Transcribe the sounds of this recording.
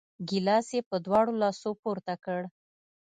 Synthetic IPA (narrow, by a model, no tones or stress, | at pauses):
ɡilɑsjepəd̪wɑɽolɑsopuɾt̪akəɽ